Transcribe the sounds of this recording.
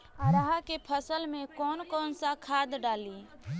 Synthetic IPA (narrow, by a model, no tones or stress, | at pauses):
aɾəɦakepʰəsəlmẽkɔːnkɔːnsakʰaːd̪ɖaːli